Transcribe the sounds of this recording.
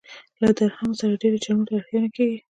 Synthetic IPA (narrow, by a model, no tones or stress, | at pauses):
lad̪aɾhamsaɾaɖeɾet͡ʃanuʈaxanakaɡi